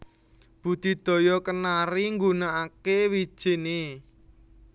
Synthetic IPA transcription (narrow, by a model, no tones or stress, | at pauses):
b̥ṳt̪i̤d̪̥ɔ̤jɔkənaɾiŋɡunaakewi̥ʒ̥e̤ne